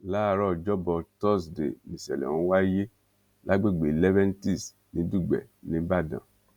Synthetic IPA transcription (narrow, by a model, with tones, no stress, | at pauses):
la˦˧ɾɔ˦˨d͡ʒɔ˦bɔ˧tɔ˦˨sdḛ˨mĩ˨sɛ̰˨lɛ̰˨ũ˨˦wa˦je˦ | la˦ɡ͡be˦˨ɡ͡be˨lɛ˦vɛ̃˦n˦ti˦˨s | nĩ˨˦du˦˨ɡ͡bɛ̰˨nĩ˨˦ba˦˨dã̰˨